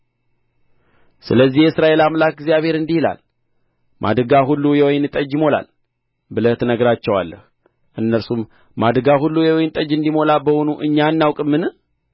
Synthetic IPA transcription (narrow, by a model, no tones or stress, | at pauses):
sɨləzːihjɛɨsɾaʔe̞lamlak̚ɡzjaβhe̞ɾɨnd̪ihila̰l | mʔa̰d̪ɨɡaɦulːujɛwɔjnɨt̪ʼəd͡ʒimo̞la̰l | bɨlət̪nəɡəɾat͡ʃːɛwa̰lːə̰h | ʔɨnːəɾsum | mad̪ɡaɦulːujɛwɔjnt̪ʼəd͡ʒːɨnd̪imo̞labəhonuʔɨɲːanːawkʼɨmːɨnɨ